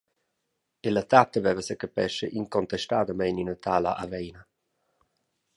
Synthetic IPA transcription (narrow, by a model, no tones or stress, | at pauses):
elət̪at̪ːəvɛvəsəkəpɛʃəʔiŋkɔnt̪ɛʃt̪aːd̪əmɛjninət̪aːla̰ʔavɛjna